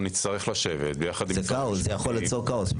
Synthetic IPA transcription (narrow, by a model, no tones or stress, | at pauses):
nit͡st̪aʁeχlaʃevet̪̚bejaχad̪izekaoszejaχo̞lːit͡so̞kaos